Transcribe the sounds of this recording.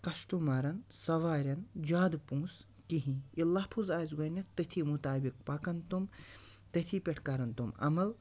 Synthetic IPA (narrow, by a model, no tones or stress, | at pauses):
kɐʃʈumaːɾɐnsɐʋaːɾʲɐnd͡ʒaːd̪pũːs | kiɦĩilːɐːpʰuzaːzɡɐnɐt̪ɐt̪ʰimut̪aːbik̚pakɐnt̪um | t̪ɐt̪ʰipʲeʈʰkaɾɐnt̪umɐ̰mɐl